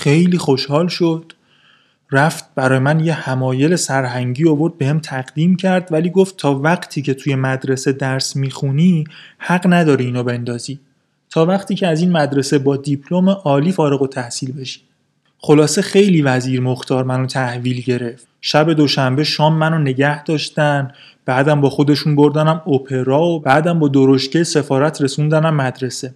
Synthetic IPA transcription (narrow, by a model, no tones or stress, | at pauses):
xe̞jliːxo̞ʃhɒːlʃod̪̥ | ræft̪̚b̥æɾɒːjemænjehæmɒːje̞le̞sæɾɦæŋɟiːovo̞ɾd̪̚be̞hemt̪ʰæɢd̪iːmcʰæɾd̪væliːɡo̞ft̪ʰːɒːvæɢt̪ʰiːcʰe̞t̪ʰujemæd̪ɾe̞se̞d̪æɾsmiːxunihæɢnæd̪ɒːɾiiːnobe̞nd̪ɒːziː | t̪ʰɒːvæqt̪ʰiːcʰeæziːnmæd̪ɾe̞se̞bɒːd̪ipʰlo̞meʔɒːliːfɒːɾe̞ɣot̪ʰæhsiːlbe̞ʃi̥ | χo̞lɒːse̞xe̞jliːvæziːɾmoxt̪ʰɒːɾmænot̪ʰæhviːlɟe̞ɾe̞ft̪ʃæbe̞d̪o̞ʃæmbe̞ʃɒːmːænone̞ɟæhd̪̥ɒːʃt̪æn | b̥æːd̪æmbɒːxo̞d̪e̞ʃunbo̞ɾd̪ænæmopʰe̞ɾɒːobæːd̪æmbɒːd̪oɾoʃcejse̞fɒːɾæt̪ʰɾe̞sund̪ænæmːæd̪ɾe̞se̞